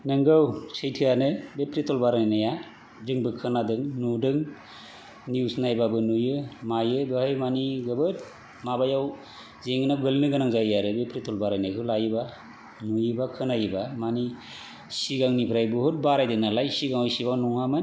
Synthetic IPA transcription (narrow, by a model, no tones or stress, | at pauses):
nɯŋɡɯwsɯjtʰɯjanɯbepʰɾitʰɔlbaɾajnaja | zɯŋbɯkʰɯnadɯŋnudɯŋ | niwsnajbabɯnujɯmajɯbɯhɯjmaniɡɯbɯt̚ | mabajaw | zeŋnaɡɯlnɯɡɯnaŋzajaɾɯbepʰɾitʰɔlbaɾajnakʰɯlajɯba | nujɯbakʰɯnajɯbamani | siɡaŋnipʰɾajbɯhɯt̚baɾajdɯŋnalajsiɡaŋɯjsibawnɔŋamɯn